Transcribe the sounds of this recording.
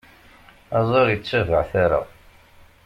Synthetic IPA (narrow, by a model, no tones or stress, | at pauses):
ɑzˤeɾjət͡sːævəʕθaɾa̰